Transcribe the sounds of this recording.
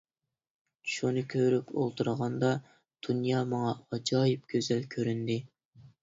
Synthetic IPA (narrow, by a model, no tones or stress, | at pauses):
ʃunɨkʲʰøɾypʰo̰lˠt̪ʰuɾəʁɑnd̪ɑ | d̪̥unjɑːmɑŋɑɑd͡ʒɑːjip̚ɡʲøzɛlkʲʰøɾynd̪ɪ